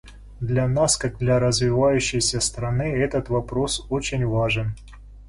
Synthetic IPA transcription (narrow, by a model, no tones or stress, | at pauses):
d̪lʲɐnaskaɡ̚d̪lʲɐɾəzvʲɪvajʉɕːɪjsʲəst̪ɾɐnɨɛt̪ət̪vɐpɾo̞sot͡ɕɪnʲvaʐɨn